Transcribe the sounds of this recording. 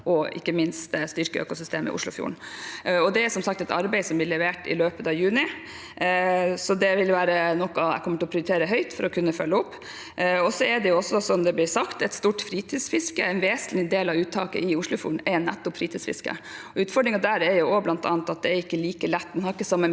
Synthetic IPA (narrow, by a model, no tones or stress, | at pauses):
ʔɔʔɪ̰kːəmɪnst̪st̪ʏɾkəø̰ːkʊsʏst̪eːmɪ̰ʔʊ̰ʂlʊ̰fjṵːɳ̩ɔd̪ɛæɾsɔmsɑk̚t̪ɛt̪ɑɾbɛɪsɔmblɪɭɛʋeːʈɪ̰løːpət̪ɑʋjʉːnɪ | sɔd̪ɛʋɪlʋæːɾənɔkːɑɛ̰kʰɔmːəʈʰɪlɔpʰɾɪʊɾt̪eːɾəɦœʏt̪fɔɾɔkʰʉnːəfœlːəɔpː | ɔsɔɛd̪ɛjʊɔsːɔsɔmd̪ɛblɪɾsɑkt̪ɛt̪st̪uːʈfɾiːt̪ʰiːsfɪskəɛnʋeːslɪd̪eːlɑʋʉːt̪ʰːɑ̰ːkə̰ʔɪʊʂɭʊfjuːɳ̩ɛɾnːæt̪ːʊpfɾiːt̪ʰiːsfɪ̰skə̰ɔʉːt̪fɔɖɾɪŋɑd̪æɾɛɾjʊɔblɑnt̪ʰɑ̰ːnt̪ɑt̪̚d̪ɛæɾɪkːəliːkəlɛt̪ːmnhɑɾɪkːəsɑmːə